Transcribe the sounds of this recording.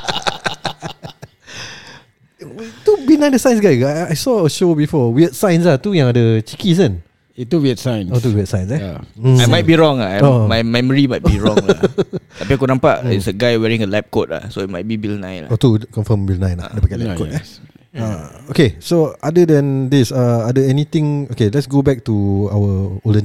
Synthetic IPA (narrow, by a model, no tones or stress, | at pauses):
t̪ubilnãj̃ndəsãjnsɡajɡaajsɔəʃobifɔwiət̪̚sãjnslaht̪ujãŋadət͡ʃikis̬ə̃n | ituwiətsãjnost̪uwiət̚sãjnsɛamamajt̚biɹɔ̃ŋaomajmɛməɹimajt̚biɹɔ̰̃ | apikonãmpaʔḭsəɡajwɛɹĩŋəlɛp̚kot̚la̰soit̚majt̚bibilnã̰jnl̰ot̪ukɔ̃nfəmbilnãjnla̰dəpakalɛkot̚ɛ | aokesoadədɛ̃ndisaadəɛnit̪ɪ̃ŋokelɛtsɡobɛk̚tuawəoldən